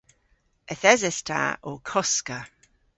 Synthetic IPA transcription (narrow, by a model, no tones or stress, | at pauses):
əθɛzɪstʰa̰okʰɔskə